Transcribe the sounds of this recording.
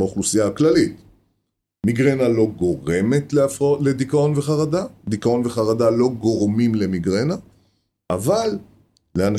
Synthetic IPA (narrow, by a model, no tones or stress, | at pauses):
beoχlusijaklalit̪ | miɡʁenalo̞ɡo̞ʁe̞me̞tleafled̪ikao̞nveχaʁadad̪ikao̞nveχaʁadalo̞ɡo̞ʁmimle̞miɡʁena | ʔavalː | eana